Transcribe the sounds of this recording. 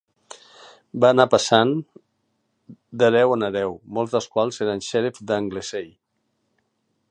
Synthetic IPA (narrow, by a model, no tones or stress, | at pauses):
baːnapəsan | d̪əɾɛwənəɾɛwmɔlˠzðəskwalˠzeɾənʃɛɾefd̪əŋɡlesej